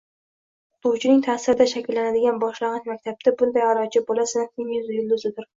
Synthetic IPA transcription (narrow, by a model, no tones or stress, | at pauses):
ʊt̪ʊwt͡ʃʰɪnɪŋt̪ʰaːsɪɾɪd̪aʃakʲʰɪlːanad̪ɪɡʲanbɒʃlɑʁɑt͡ʃmakʲt̪ʰab̚t̪ʰabʊnd̪ajaɾɒt͡ʃʰɪbolasɪnɪɪŋjʏzjɪlˠd̪ʊzɪd̪ɪɾ